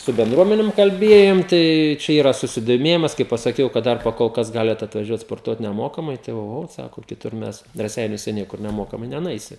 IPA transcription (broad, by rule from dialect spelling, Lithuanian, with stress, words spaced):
sʊ bʲɛndˈruɔmʲɛnʲɪm kɐlʲˈbʲiɛjoːm ˈtɐɪ t͡ʃʲɛ ˈiːrɐ sʊsʲɪdoːˈmʲeːjɪmɐs kɐɪ pɐsɐˈkʲɛʊ kɐt ˈdɐr pɐkoːlˠˈkɐs ˈɡɑːlʲɛt ɐtʋɐˈʒʲuɔt spoːrˈtuɔt nʲɛˈmoːkɐmɐɪ ˈtɐɪ oːˈɣoː ˈsɑːkoː kʲɪˈtʊr ˈmʲɛs rɐˈsʲɛɪnʲuɔsʲɛ ˈnʲiɛkʊr nʲɛˈmoːkɐmɐɪ nʲɛnʊˈɛɪsʲɪ